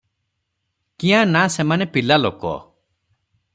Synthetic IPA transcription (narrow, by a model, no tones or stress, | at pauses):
kĩãnasemanepilalokɔ̰